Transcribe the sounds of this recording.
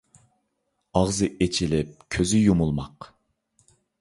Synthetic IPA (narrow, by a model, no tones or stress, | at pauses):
ɑʁzɨʔet͡ʃʰilɪp̚kʲʰøzyjumulˠmɑq